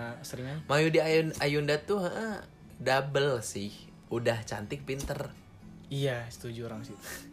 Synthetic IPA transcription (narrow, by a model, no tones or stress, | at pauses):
səɾiŋamajudiaunajundat̪uəʔəh | dabəlsɪh | udaht͡ʃa̰nt̪ɪk̚pint̪ər | ijasə̥t̪ud͡ʒuɾaŋsɪu